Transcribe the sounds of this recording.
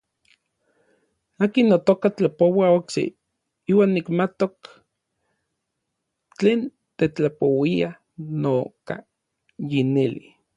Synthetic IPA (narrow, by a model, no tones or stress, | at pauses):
aːkinːot̪okat͡ɬapowaoksḛ | iːwaːnːikmat̪ok | t͡ɬeːn | t̪et͡ɬapowia | noka̰ | jinilḭ